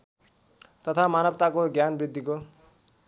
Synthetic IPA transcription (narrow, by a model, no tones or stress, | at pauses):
t̪ʌt̪ʰamanʌb̚t̪akoɡjanbɾid̪ʱːiko